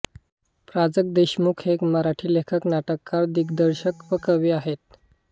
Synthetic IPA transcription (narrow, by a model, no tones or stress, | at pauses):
pɾad͡zək̚d̪eɕmukʰɦekməɾaʈʰiːlekʰəknaʈəkːaɾd̪iɡd̪əɾɕəkpəkəʋiːaɦet̪̚